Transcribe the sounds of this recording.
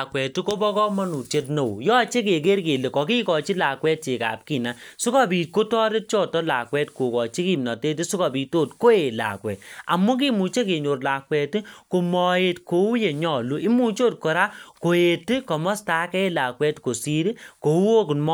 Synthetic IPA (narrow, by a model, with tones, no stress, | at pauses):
kwɛ˨tu˦ko˦bɔ˦kɔ˦mɔ˦nu˨te˦t̬no˨w̰jɔ˦t͡ʃe˦k̬e˨k̬e˦ɾke˨le˨kɔ˨ki˦kɔ˨t͡ʃi˦la˨kwɛ˦t̚t͡ʃe˨ka̰˨p̚ki˦˨na˨su˦kɔ˦piː˨tko˦tɔ˦ɾe˦t̚t͡ʃɔ˦tɔ˦la̰˨kwɛ˦tko˨kɔ˨t͡ʃi˦ki˨mnɔ˨te˦t̬i˦su˦kɔ˨pi˨to˦˨tko˦e˨la̰˨kwɛ̰˨t̚a̰˨mu˦k̬i˦mu˨t͡ʃe˦k̬e˨ɲo˨rla˨kwɛ˨ti˦ko˨mɔ˨e˨tko˨u˦je˨ɲɔ˨lu˦i˦mu˦t͡ʃoː˦t̚kɔ˨ɾa˦ko˨e˨ti˦kɔ˨mɔ˦sta˨˦kɛ˦e˦la˨kwɛ˦tko˨si˦ɾi˦ko˨u˦o˦kmɔ˦